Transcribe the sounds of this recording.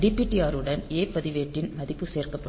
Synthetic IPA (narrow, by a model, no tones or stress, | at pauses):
ɖɪpːiːʈːijaːɾɯɽɐneːpɐðɪʋeːʈːɪnmɐðɪpːɯseːrkɐpːɐ